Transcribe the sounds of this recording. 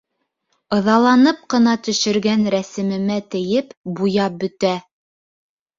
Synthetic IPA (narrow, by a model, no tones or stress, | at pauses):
ɤ̆ðɑlˠɑnɤp̚qɤ̆nɑt̪ɵ̆ʃɘ̆ɾɡænɾæsɘ̆mɘ̆mæt̪ɘ̆jɘpbujɑp̚bɵ̆t̪æ